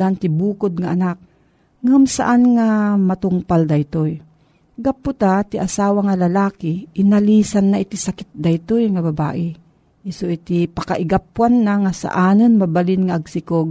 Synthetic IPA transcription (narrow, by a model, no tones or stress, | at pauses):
ant̪ɪbuːkod̪̚ŋaʔanak̚ | ŋamsa̰ʔanŋamat̪ʊŋpald̪ajt̪oj | ɡapːʊt̪at̪ɪʔasaːwaŋalɐlaːkɪʔɪnaliːsanːaʔɪt̪ɪsakɪt̪̚d̪ajt̪ojŋababa̰ːʔɪ | ʔɪsoʔɪt̪ɪpakaʔɪɡapːwanːaŋasa̰ʔaːnɨnmabalɪnŋaʔaɡsɪkoɡ̚